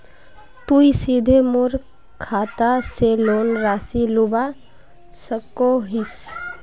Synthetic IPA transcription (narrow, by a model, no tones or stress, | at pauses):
t̪uisid̪ʱemʊɾ | kʰaːt̪aseloːnɾaːsiluba | səkoɦis